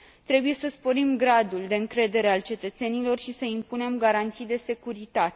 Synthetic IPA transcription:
t̪ɾe̞buje̞səspo̞ɾimɡɾad̪uld̪e̞ɨŋkɾe̞d̪e̞ɾe̞alt͡ʃe̞t̪ət̪se̞nilo̞rʃisəimpune̞mɡaɾant̪sijd̪e̞se̞kuɾit̪at̪e̥

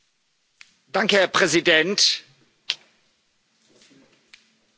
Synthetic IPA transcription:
d̥aŋkəhɛɐpʁ̥ɛzidɛnt

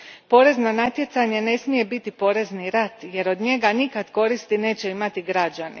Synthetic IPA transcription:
po̞ɾe̞znonat̪je̞t̪saɲene̞smije̞bit̪ipo̞ɾe̞zniɾat̪je̞ɾo̞d̪ɲe̞ɡanikad̪ko̞ɾist̪ine̞ːt͡ɕe̞imat̪iɡɾad͡ʒanḭ

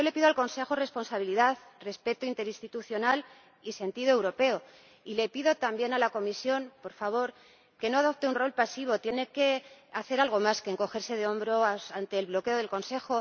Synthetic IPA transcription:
o̞le̞piðo̞alko̞nse̞xore̞spo̞nsaβ̞iliðaðre̞spe̞t̪oint̪e̞ɾinst̪it̪uθjo̞nal | ise̞nt̪iðoe̞wɾo̞pe̞o̞ | ile̞piðo̞t̪ambje̞nalako̞misjo̞npo̞ɾfaβ̞o̞ɾ | ke̞no̞aðo̞p̚t̪e̞unro̞lpasiβ̞o̞t̪je̞ne̞ke̞aθe̞ɾalɣo̞maskeːŋko̞xe̞ɾse̞ð̞eo̞mbɾoasant̪e̞ːlβ̞lo̞ke̞o̞ð̞e̞lko̞nse̞xo̞

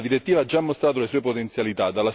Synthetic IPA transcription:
d̪iɾet̪ːiːvaad͡ʒːamːost̪ɾaːt̪̬olesuːepot̪ent̪sjalit̪ad̪ːalːa

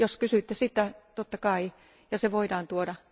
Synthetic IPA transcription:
joskysyˑt̪ːesit̪ːˑæt̪ot̪ːɑkɑi | jɑseʋoidɑːnt̪uodɑ

